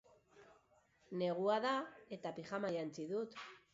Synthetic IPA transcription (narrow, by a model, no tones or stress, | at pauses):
ne̞ɣ̞uaðae̞t̪apixamajant͡siðut̪